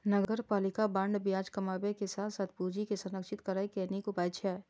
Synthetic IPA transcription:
nəɡəɾpaːlɪkabə̃ɳɖbijaːd͡ʒkɐmaːbekesaːt̪ʰsaːt̪ʰpuːd͡ʒikesʊnəkʃɪt̪kəɾaːikenikʊpaːjt͡ʃʰɛː

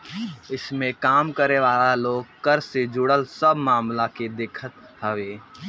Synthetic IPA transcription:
ɪsmẽkaːmkəɾeʋaːlaloːɡ̚kɐɾsed͡ʒʊɽəlsɐbmaːmlaked̪ɪːkʰət̪ | ɦɐʋeː

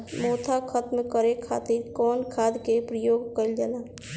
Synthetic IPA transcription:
moːt̪ʰakʰət̪mkəɾekʰa̰ːt̪iɾkɔːnkʰaːd̪kepɾəjoːɡkəld͡ʒanaː

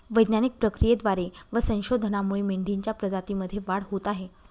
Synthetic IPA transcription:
ʋəjd̪nanik̚pɾəkɾijed̪ʋaɾeʋəsə̃w̃ɕod̪ʱənamuɭemeɳɖʱiɲt͡ɕjapɾəd͡zat̪iməd̪ʱːjeʋaɽɦot̪aɦe

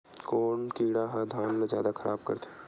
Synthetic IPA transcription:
koːnkiːɽaɦɐd̪ʱaːnlezja̰ːd̪akʰɐɾʔa̰ːb̚kɐ̰ɾt̪ʰe

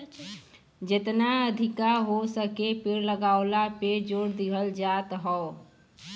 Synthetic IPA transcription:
d͡ʒɪt̪naəd̪ʱɪkaɦosəkepɪɾləɡaːʊlaped͡ʒoːɽd̪ɪɡʱəld͡ʒaːt̪ɦɔo

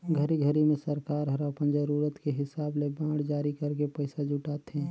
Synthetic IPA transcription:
ɡʱəɾiɡʱəɾimẽsəɾkaːɾɦɐɾapənd͡ʒəɾuːɾət̪keɦɪsaːblebãːɽd͡ʒaːɾikɐɾkepəɪsad͡ʒʊʈaːt̪ɛ̃ː

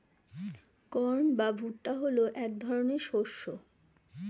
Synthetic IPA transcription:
kɔɾnbabʱuʈːaɦoloʔɛkd̪ʱɔɾoneɾʃoʃːo

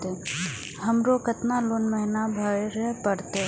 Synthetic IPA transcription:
t̪e | ɦɐmɾoːkɐt̪naloːnmɛɦnabʱaɾeɾɛɦpəɽt̪eɦ

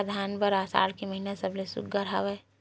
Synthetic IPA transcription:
d̪ʱaːnbəɾaːsa̰ːlkiməɦinasəblesʊ̰kɡəɾɦaʋɛ

